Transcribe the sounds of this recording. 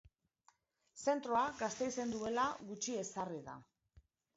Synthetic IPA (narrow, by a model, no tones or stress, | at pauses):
se̞nt̪ɾo̞aɡast̪e̞jse̞nd̪ue̞laɣut͡ʃie̞sariða̰